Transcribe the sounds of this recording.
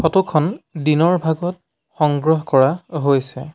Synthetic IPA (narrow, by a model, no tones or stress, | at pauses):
xɔtukʰɔndinɔɹbʱaɡɔt̚ | xɔŋɡɹɔɦkɔɹaɦojsɛ̰